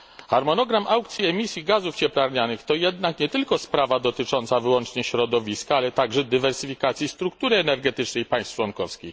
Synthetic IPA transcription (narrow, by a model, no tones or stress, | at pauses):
xaɾmɔnɔɡɾamʔawkt̪sʲjiɛmʲisʲjiɡazuft͡ɕɛplaɾɲanɘxt̪ɔjɛd̪nakɲɛt̪ɘlkɔspɾavad̪ɔt̪ɘt͡ʂɔnt̪savɘwɔnt͡ʂɲɛɕɾɔd̪ɔvʲiskaalɛt̪aɡʐɛd̪ɘvɛɾsɘfʲikat̪sʲjist̪ɾuk̚t̪uɾɘɛnɛɾɡɛt̪ɘt͡ʂnɛjpaj̃st̪t͡ʂwɔnkɔfskʲix